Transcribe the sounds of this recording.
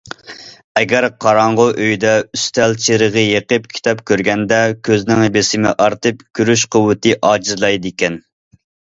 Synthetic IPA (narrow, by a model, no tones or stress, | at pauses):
ɛɡʲæɾqʰɑɾɑɴʁʊʔøjd̪ɛyst̪ʰɛlt͡ʃʰeɾəʁəjeqəp̚kʲʰi̥t̪ʰɑpkʲʰøɾɡʲɛnd̪ɛkʲʰøznɪŋhebɪsɪmɪ̰ʔɑɾt̪ʰɨpkʲʰyɾyʃqʰəwɨt̪ɨʔɑːd͡ʒizlˠɑjd̪ɪkʲɛn